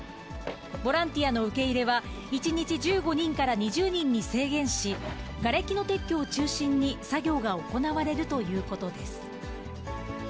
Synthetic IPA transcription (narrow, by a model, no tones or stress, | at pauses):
bo̞ɾãnt̪ʲiano̞ɯ̟ke̞iɾe̞βa | it͡ɕiɲ̟it͡ɕid͡ʑɨːɡo̞ɲ̟ĩŋkaɾaɲ̟iʑɨːɲ̟ĩɲ̟ːise̞ːɡẽ̞ɰ̃ɕiɡaɾe̞kʲino̞t̪e̞kʲːo̞ːt͡ɕɨːɕĩɲ̟ːisaɡʲo̞ːɡao̞ko̞naβaɾe̞ɾɯ̟t̪o̞jɯ̟ːko̞t̪o̞d̪e̞sɨ̥